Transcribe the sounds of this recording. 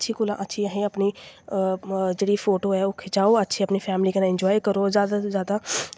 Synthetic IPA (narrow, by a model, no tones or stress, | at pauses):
tːʃʰiːkʊlã̰ːʔətːʃʰiːəɦẽːəpniː | d͡ʒeːɽiːpʰoːʈoːɛːʊkʰed͡ʒaːoːətːʃʰiːəpniːpʰɛːmliːkənãːɪ̃ɲd͡ʒɔːikəɾoːzjaːd̪azjaːd̪aː